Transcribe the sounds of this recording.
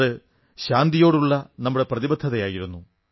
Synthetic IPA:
ɽɨ | ɕaːnd̪ijo̞ːɽuɭːɐnɐmːuɽe̞prɐðibɐd̪ʰʱːɐðɐjaːjiɾunːu

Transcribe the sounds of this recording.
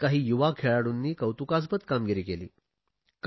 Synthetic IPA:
kaɦiːjuʋakʰeɭaɽunːiːkəwt̪ukas̬bət̪kamɡiɾiːkelḭː | k

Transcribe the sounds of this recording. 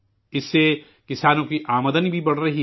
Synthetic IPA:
ɪsːe | kɪsaːnõkiʔaːməd̪ənibʱibɐɽ̤ɾɐɦi

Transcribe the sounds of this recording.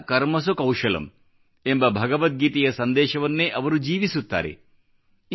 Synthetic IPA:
kɐɾmɐs̬ukɐwʂɐlɐ̰m | embɐbʱɐɡɐʋɐt̪̚ɡiːt̪ijɐsɐnd̪ɛːʃɐʋɐnːeːʔɐʋɐɾud͡ʒiːʋisut̪ːa̰ːɾḛ

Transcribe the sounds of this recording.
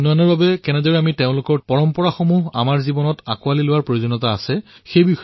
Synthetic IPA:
nɔjanɔɹbabɛkɛnɛdɔɹɛamiteʊ̃lʊkɔɹpɔɹɔmpɔɹaxomuɦa̰maɹzibɔnɔta̰kʊalilʊwaɹpɹojozonːɔtaːsɛxejbix

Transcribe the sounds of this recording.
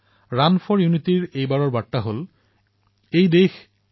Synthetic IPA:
ɹanfʰɔɹjunitiɹejbaɹɔɹbaʈːaɦol | ejd̪ex

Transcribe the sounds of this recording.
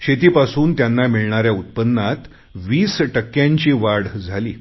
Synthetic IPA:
ɕet̪iːpasuːnt̪janːamiɭɳaɾjaut̪̚pənːat̪ | ʋiːsʈəkːjãɲt͡ɕiːʋaɽd͡zʱalḭː

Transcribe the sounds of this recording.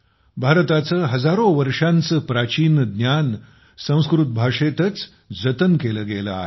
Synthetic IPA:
bʱaɾt̪at͡səːɦəd͡zaɾoʋəɾʂãnt͡səpɾat͡ɕiːnd̪njan | sə̃w̃skɾut̪̚bʱaʂet̪ət͡s | d͡zət̪ənkeləːɡela̰ːɦe

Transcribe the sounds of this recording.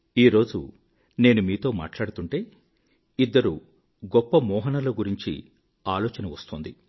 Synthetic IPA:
iːɾo̞ːd͡ʒu | ne̞ːnumiːt̪o̞ːma̰ːʈlaːɽut̪uɳʈe̞ː | id̪ːɐɾu | ɡɔpːɐmɔːɦɐnɐlɐɡuɾiɲt͡ʃḭ | aːloːt͡ʃɐnɐʋɐst̪oːnd̪i

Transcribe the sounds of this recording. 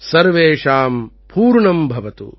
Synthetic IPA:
sɐɾʋeːʂaːm | puːɾɳɐmbʱɐʋɐt̪ṵ

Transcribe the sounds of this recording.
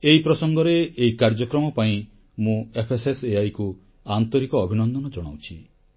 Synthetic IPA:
eɦipɾɔsɔŋɡɔɾeːikaɾd͡ʒɔkɾɔmɔpaĩ | mũepʰeseseajku | ant̪ɔɾikɔːbʱinɔnd̪ɔnɔd͡ʒɔɽ̃a̰wt͡ʃʰi

